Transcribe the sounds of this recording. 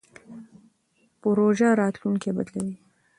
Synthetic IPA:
pəɾoʒaɾɑt̪luŋkebad̪lawi

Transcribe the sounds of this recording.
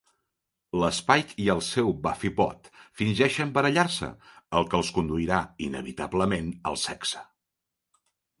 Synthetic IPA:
ləspajt̪iəlˠsɛwbafipɔ̰t̪finʲʒɛʃəmbəɾəʎarsə̰əlˠkəəlˠskund̪uiɾainə̰βit̪a̰bləmenə̰lˠsɛksə̥

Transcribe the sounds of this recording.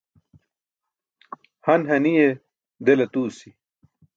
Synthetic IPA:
hɐnɦɐnije | d̪elɐt̪uːsi

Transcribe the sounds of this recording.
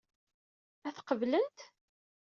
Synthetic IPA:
æθqəvlənt̪

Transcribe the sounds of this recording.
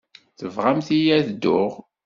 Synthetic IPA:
θəvʁamθijæθd̪ːʊʁ

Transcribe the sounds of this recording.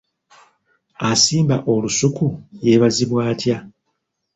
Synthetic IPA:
asiːmbaʔo̞lusukuje̞βaziβwaːtja

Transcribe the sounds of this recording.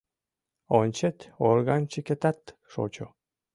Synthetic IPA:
onʲt͡ɕet̪orɣɑnt͡ɕeket̪at̪ʃo̰t͡ɕo

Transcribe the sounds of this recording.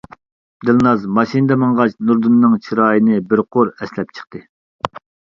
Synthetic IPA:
d̪ɨlˠnɑzmɑʃinɨd̪ɛmɑŋʁɑt͡ʃnuɾd̪unːɨŋt͡ʃʰiɾɑːjinɨbɪɾqʰoɾɛslɛp̚t͡ʃʰə̥χt̪ʰɨ

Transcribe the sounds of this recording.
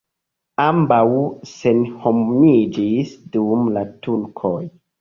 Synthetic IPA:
ambawse̞nhomid͡ʒisdumlatulkʰoj

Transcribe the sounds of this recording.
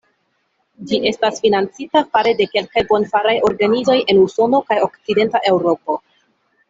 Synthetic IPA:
d͡ʒiʔe̞stasfinant͡sitafaɾe̞de̞ke̞lkajbo̞nfaɾajo̞ɾɡanizo̞je̞nuso̞no̞kajo̞kt͡side̞ntaʔe̞wɾo̞po̞

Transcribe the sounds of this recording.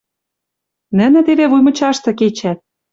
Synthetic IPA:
nə̆nɘ̆t̪eveβujmɤ̆t͡ɕɑʃt̪ɤ̆ket͡ɕæt̪̚

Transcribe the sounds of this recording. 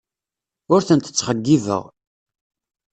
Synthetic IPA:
ʊɾθənt̪ə̥t͡sːχəɡːivə̰ʁ

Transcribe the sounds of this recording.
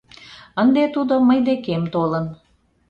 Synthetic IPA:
ənd̪et̪ud̪oməjd̪ekemt̪olən

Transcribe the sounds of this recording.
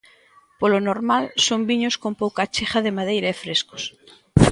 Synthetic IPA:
polonoɾmalsombiɲoskompowkat͡ʃexaðemaðejɾaefɾesko̥s

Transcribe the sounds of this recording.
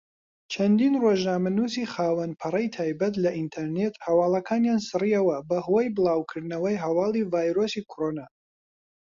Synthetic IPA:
t͡ʃʰɐnd̪iːnroʒnaːmɐnuːsiχaːwɐnpʰɨrˤɐjt̪ʰaːjbɐt̪lɐʔint̪ʰɐɾnet̪hɐwɑːlˠɐkʰaːnjaːnsɨriɐwɐbɐhojbɨlˠɑːwkʰɨɾd̪nɐwɐjɦɐwɑːlˠivaːjɾosikʰoɾoːnaː

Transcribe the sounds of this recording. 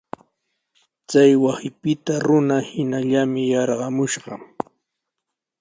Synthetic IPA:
t͡sajwasɪpɪt̪aɾʊnahɪnaʎamɪjɑɾɢɑmʊʃɢɑ

